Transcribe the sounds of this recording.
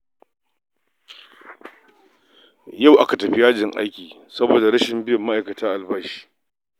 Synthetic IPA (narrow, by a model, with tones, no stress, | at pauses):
ja˦˨wʔa˦ka˨tɐ˨ɸi˦jaː˦d͡ʒɪ˨ŋʔa̰˦jkʲiː˨ | sɐ˦boː˨da˨ɾɐ˦ʃɪ˨mbɪ˦jʊ˨mːa˦ʔa˨kɐ˨taː˦ʔa˨lbaː˦ʃi̥ː˦